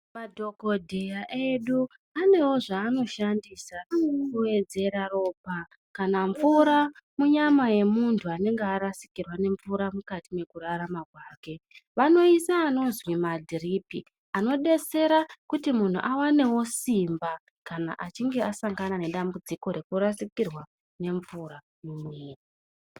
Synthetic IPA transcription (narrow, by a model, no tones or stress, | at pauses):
madʱo̞ko̞dʱejaʔe̞ɗu | ane̞wo̞ʐaːno̞ʃandiːsakue̞d͡ze̞ɾaro̞ːp̚a | kanaɱvuɾamuɲamaje̞muntʰuane̞ŋɡeaɾasi̥kirwane̞ɱvuɾamukatime̞kuraramakwaːkeʋano̞isaːno̞zwimadʱiripḭ | ano̞ɗe̞se̞ɾakutimun̤ṵʔawane̞wo̞simba | kana̰ʔat͡ʃiŋɡe̞asaŋɡanane̞ɗambud͡ziko̞ɾe̞kuɾasikirwa | ne̞ɱvuɾa | mumiːri